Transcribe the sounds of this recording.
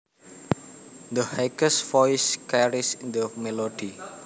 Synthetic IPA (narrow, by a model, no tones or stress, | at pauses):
d̪əhɛkəsfɔjskaɹisdəmɛlodi